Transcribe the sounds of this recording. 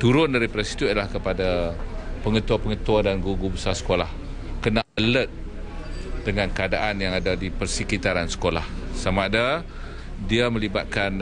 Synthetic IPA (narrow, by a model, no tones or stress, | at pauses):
t̪uɾʊndaɾipɾɛsi̥t̪ulahkəpadapəŋət̪uapəŋət̪uadanɡuɡubəsasə̥kolah | kənaʔələt̪̚ | dəŋankəadaʔanjaŋadadipərsəkit̪aɾansə̥kola̰hsamada | diamə̃liba̰t̪̚kan